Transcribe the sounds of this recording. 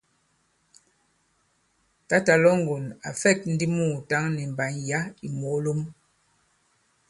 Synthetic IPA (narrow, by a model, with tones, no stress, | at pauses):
ta˦ta˨lɔ˦ŋ̩˨ɡo˨na̰˨fɛ˦˨t̚n̩˦di˦muː˦˨ta˦ŋnɛ˨m̩˨ba˨˦nja˦i˨mo˨˦lo˦m